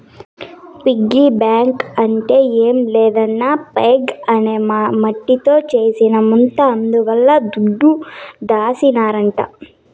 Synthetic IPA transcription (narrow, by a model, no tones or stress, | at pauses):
piɡːibaːŋkɐɳʈe̞ːeːmlɛːd̪ɐnːaːpeːɡɐne̞ːmɐʈːit̪o̞ːt͡ʃe̞ːsinɐmunt̪ɐɐnd̪uʋɐlːɐd̪uɖːud̪aːsinaːɾɐɳʈa̰